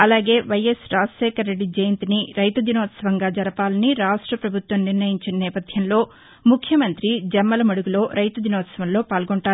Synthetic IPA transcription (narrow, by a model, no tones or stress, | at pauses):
ɐlaːɡe̞ːʋɐjːesɾaːd͡ʒʃɛːkɐɾːeɖːid͡ʒɐjnt̪iniɾɐjt̪ud̪inoːt̪sɐʋɐŋɡaːd͡ʒɐɾɐpaːlɐniɾaːʂʈɾɐpɾɐbʱut̪ʋɐmniɾnɐjiɲt͡ʃinɐnɛːpɐd̪ʱjɐmlo̞ː | mukʰjɐmɐnt̪ɾid͡ʒɐmːɐlɐmɐɽuɡulo̞ːɾɐjt̪ud̪inoːt̪sɐʋɐnlo̞ːpaːlɡoɳʈaːɾu